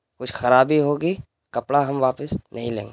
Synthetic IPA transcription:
kʊt͡ʃʰxɐɾaːbiɦoːɡi | kɐpɽaɦɐmʋaːpɪsnɐɦĩlḛ̃ːŋɡe

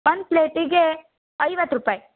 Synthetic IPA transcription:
pɐnpleːʈiɡe | ɐjʋɐt̪ːɾupaːji

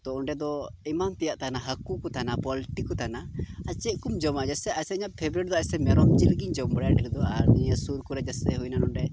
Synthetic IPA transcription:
t̪ɔɔɳɖɛd̪ɔimamt̪ɛjaʔt̪anaɦakukɔt̪anapɔliʈikːɔt̪anaat͡ʃɛkumd͡ʒɔmad͡ʒasɛajsɛiɲat̪̚pʰɛbɾɛɾd̪ɔasɛmɛɾɔmd͡ʒilɡiɲd͡ʒɔmbɽjaɖɛɾɛd̪ɔaɾniɲasuɾkuɾɛd͡ʒasɛɦujnanɔɳɖɛ

